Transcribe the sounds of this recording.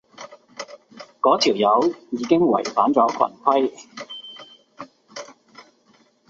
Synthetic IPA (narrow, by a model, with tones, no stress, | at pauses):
kɔː˨˥t̪ʰiː˨˩wjɐ˨˧wjiː˨˧kɪ˥ŋwɐ̰˨˩jfaː˨˥nt͡sɔː˨˥kʷʰɐ̰˨˩nkʷʰɐ˥j